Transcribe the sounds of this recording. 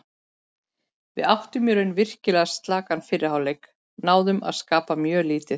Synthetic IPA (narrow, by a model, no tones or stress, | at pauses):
vɪ̰ðawht̪ʏmjɛɾʏnvɪr̥cɪlɛːɣast̪laːkanfɪrɪhawlejk | naːwðʏma̰ðskaːpamjœːliːt̪ɪ